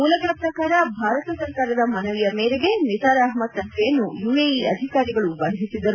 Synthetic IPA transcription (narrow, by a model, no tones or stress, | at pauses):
muːlɐkɐpɾɐkaːɾɐbʱaːɾɐt̪ɐsɐɾkaːɾɐd̪ɐmɐnɐʋijɐmeːɾeɡe̞nisaːɾaːɦmɐt̪sɐŋk̪ʰɛjɐnːujuːeiɐ̰d̪ʱikaːɾiɡɐɭubɐɦɦisid̪ɐɾu